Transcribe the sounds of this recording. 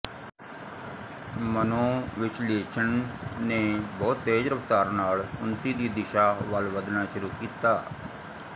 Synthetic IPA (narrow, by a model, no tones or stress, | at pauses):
mənõːʋɪt͡ʃleːt͡ʃʰənneːbɔːt̪ːeːd͡ʒɾəʋt̪aːɾnaːlʊnt̪iːd̪iːd̪ɪʃaːʋəlʋəd̪naːʃʊɾuːkiːt̪aː